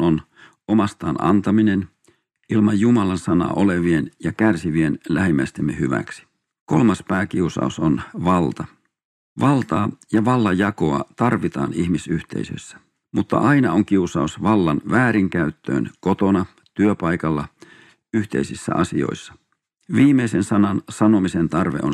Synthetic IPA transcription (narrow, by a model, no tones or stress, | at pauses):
on | omɑst̪ɑːnɑ̰nt̪ɑminen | ilmɑjjumɑlɑnsɑnɑ̰ːʔoleʋienjɑkærsiʋienlæhimːæst̪emːḛhyʋæ̰ksi̥ | kolmɑspæːkiusɑ̰usonʋɑlt̪ɑ | ʋɑlt̪ɑːjɑʋɑlːɑjɑkoɑt̪ɑrʋit̪ɑ̰ːnihmisyht̪ḛisø̰sːæ̥ | mut̪ːɑ̰ʔɑinɑoŋk̟iusɑusʋɑlːɑnʋæːɾiŋkæyt̪ːø̰ːnkot̪onɑ | t̪yøpɑikɑlːɑ | yht̪e̞isisːæ̰ɑsḭo̞̰isːɑ̥ | ʋiːmeisensɑnɑnsɑnomisent̪ɑrʋeʔo